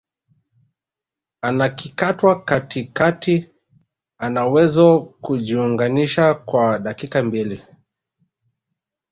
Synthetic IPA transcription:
anakikatwakatikati | anawɛzɔkuʄiuŋɡaniʃakwaɗakikambili

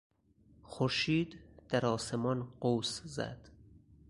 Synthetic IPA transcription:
xoɾʃiːd̪d̪̥æɾɒːsemɒnɢowszæ̰d̪̥

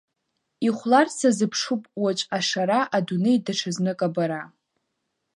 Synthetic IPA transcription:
iχʷlart͡sʰazɨpʰʂupʼwat͡ʃʼaʂaɾaʔadunejdaʈ͡ʂʰaznɨkʼabaɾa

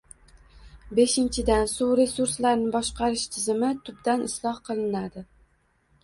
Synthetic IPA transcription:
be̞ʃɪnt͡ʃʰɪd̪ansuɾesuɾslaɾnɪbɒʃqʰɑɾɪʃt̪ʰɪzɪmɪt̪ʰʊbd̪anʔɪslˠɒhqʰɨlˠɪnad̪ɪ

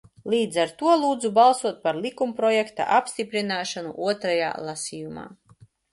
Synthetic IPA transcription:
lˠiːd̪zaɾt̪uɔlˠuːd̪zubalˠsuɔt̪̚paɾlʲˠikumpɾɔjɛkt̪a̰ʔapst̪ipɾinaːʃanṵʔuɔt̪ɾaja̰ːlˠasʲijuma̰ː

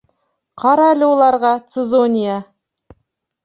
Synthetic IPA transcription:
qʰɑɾɑælɪwolˠɑɾʁɑt̪sezonʲija

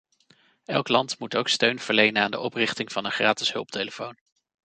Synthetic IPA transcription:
ɛlˠklɑntmutowkstøɥnv̥əɹlejnənaːndə̰ʔɔprɪχtɪŋv̥ɑnənχraːtɪsɦɵ̰lˠp̚tejləfown

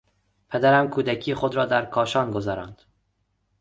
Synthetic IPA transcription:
pʰed̪æɾæmkʰuːd̪æcʰiːeχod̪ɾɒːd̪æɾkʰɒːʃɒːnɡozɒɾæ̰ːnd̪̥

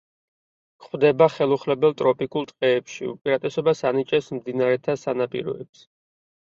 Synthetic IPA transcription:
kχwd̪ɛbaχɛlˠuχlɛbɛlˠt̪ʼɾɔpʼikʼulˠt̪ʼqʼɛːpʃḭṵpʼiɾat̪ʼɛsɔbasanit͡ʃʼɛsmd̪inaɾɛt̪ʰasanapʼḭɾɔ̰ɛps

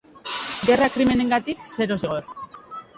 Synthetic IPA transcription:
ɡe̞rakɾime̞ne̞ŋɡat̪ikse̞ɾo̞seɣo̞ɾ

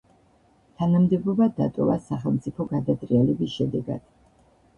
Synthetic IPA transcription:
t̪ʰanamd̪ɛbɔbad̪a̰t̪ʼɔvasaχɛlˠmt̪sʼipʰɔɡad̪at̪ʼɾialɛbisʃɛd̪ɛɡa̰d̪̥

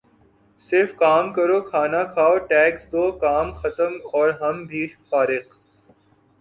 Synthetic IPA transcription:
sɪɾfkaːmkɐɾoːkʰaːnakʰaːoʈɛːksd̪oːkaːmxɐt̪əmɔːɾɦɐmbʱiːfaːɾɪq

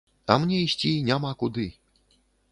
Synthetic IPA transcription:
ɐ̰mnʲɛisʲt͡sʲinʲamakud̪ɨ

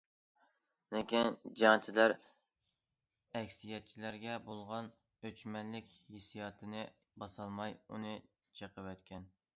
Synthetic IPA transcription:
nɪkʲind͡ʒɑŋt͡ʃʰilæɾ | ɛkʲsijɛt̪̚t͡ʃʰilæɾɡʲɛbolˠʁɑn | øt͡ʃmɛnlɪkʲhesijɑt̪ʰɨnɨ | bɑsɑlˠmɑjunɨ | t͡ʃʰeqəwɛt̪kʲʰɛn

